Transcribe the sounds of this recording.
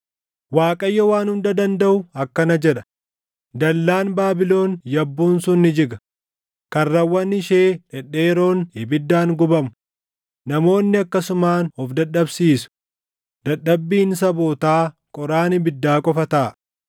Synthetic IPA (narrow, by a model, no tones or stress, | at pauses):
waːkʼɐjːɐwaːnhʊnd̪ɐd̪ɐnd̪ɐʔʊɐkːɐnɐd͡ʒɛᶑɐ̥ | d̪ɐlːaːnbaːbɪlo̞ːnjɐbːuːnsʊnːɪd͡ʒɪɡɐ | kɐnːɐwːɐnɪʃeːᶑɛᶑeːɾo̞ːnhɪbɪd̪ːaːŋɡʊbɐmʊ | nɐmo̞ːnːɪɐkːɐsʊmaːnɔfd̪ɐɗːɐbsiːsʊ̥ | d̪̥ɐɗɐbːiːns̬ɐboːt̪aː | kʼɔɾaːnɪbɪd̪ːaːkʼɔfɐt̪aː